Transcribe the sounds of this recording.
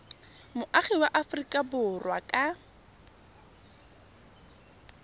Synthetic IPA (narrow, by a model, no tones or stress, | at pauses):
mʊʔaχɛwaʔafrikʼabʊrwakʼa